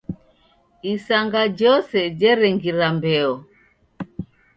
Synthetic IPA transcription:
isaŋɡad͡ʒɔsɛd͡ʒɛɾɛŋɡiɾambɛɔ

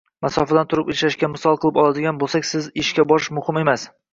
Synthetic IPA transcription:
masɒfad̪ant̪ʰʊɾɪpɪʃlaʃkʲamɪsɒlˠqʰɨlˠɪpɒlˠad̪ɪɡʲanbolˠsakʲsɪzɪʃkʲabɒɪʃmʊhɪme̞mas

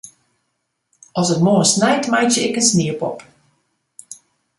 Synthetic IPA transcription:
ɔsətmoəsnɛjtmajtjəɪkənsniəpɔp

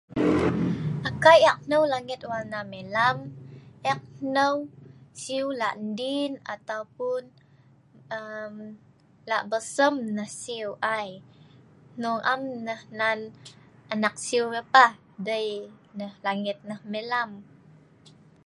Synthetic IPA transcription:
ʔakajɛk̚nəwlaŋit̪̚walnamelamʔɛk̚nəwsiwlaʔndina̰t̪awpun | əm | laʔbəsəmnəhsiwʔaj | nuŋʔamnəhnan | ʔanak̚siuləpah | dəjnəhlaŋit̪̚nəhmelam

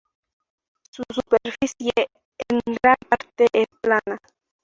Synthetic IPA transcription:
susupeɾfisje | eŋɡɾampaɾt̪eʔesplana

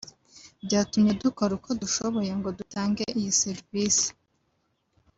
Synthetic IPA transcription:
bɟaːtumɲe̞dukoɾukʰo̞duʃo̞βo̞je̞ŋɡo̞dutʰaːŋɡeʔijiseɾvisi̥

